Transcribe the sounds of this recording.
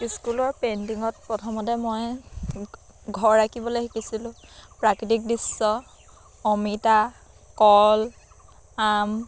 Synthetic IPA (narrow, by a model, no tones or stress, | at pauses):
iskulɔɹpentiŋɔt̚pɹɔtʰɔmɔtɛmoj | ɡʱɔɹːakibɔlojxikisilʊ̃pɹakitik̚disːɔ | ɔmita | kɔl | am